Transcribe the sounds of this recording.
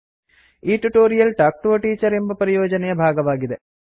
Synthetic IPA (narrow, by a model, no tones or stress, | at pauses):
iːʈːuʈːoːɾijɐlʈaːk̚ʈoʈːiːt͡ɕːɐɾembɐpɐɾijo̞ːd͡ʑɐnɐjɐbʱaːɡɐʋaːɡiðe